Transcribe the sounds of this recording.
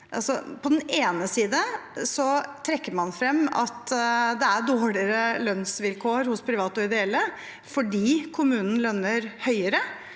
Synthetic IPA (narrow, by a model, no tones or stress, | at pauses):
ʔɑ̰lsɔ̰pʰɔd̪ɛneːnəsiːd̪əsɔt̪ʰɾɛkːəmɑnfɾɛmːɑ̰t̪d̪ɛæɖoːɭɪəɾəlœnsʋɪlkʰoːɾhʊspʰɾɪʋɑːt̪ɔɪd̪ɛɛlːə | fɔɖiːkʰʊmʉːnn̩lœnːəɾhœʏəɾə